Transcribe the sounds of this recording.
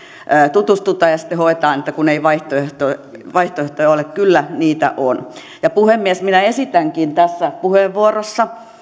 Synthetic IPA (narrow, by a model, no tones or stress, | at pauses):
ʔəːt̪ut̪ust̪ut̪ɑːjɑsi̥t̪ːehoet̪ɑːnet̪ːækuneiʋɑiht̪oeht̪oʋɑiht̪oeht̪ojɑolekkylːæniːt̪æ̰ʔon | jɑpuhemːiesminæesit̪æŋkint̪æsːæpuheʋʋuorosːɑ